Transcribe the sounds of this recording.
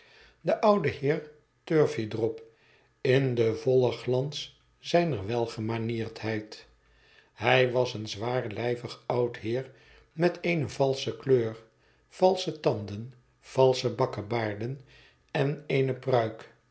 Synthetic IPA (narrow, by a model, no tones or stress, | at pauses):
dəʔɑwdəhɪːɹ | tøɹfidrɔp | ɪndəvɔlˠəχlɑns | zɛjnəɹʋɛlˠχəmanɪːɹthɛjt | hɛjʋɑsənzʋaːɹlɛjvəχɑwtɦɪːɹ | mɛtʰejnəvɑlˠsəkløːr | v̥ɑlˠsətɑndən | v̥ɑlˠsəbɑkəbaːɹdən | ɛnejnəprœɥk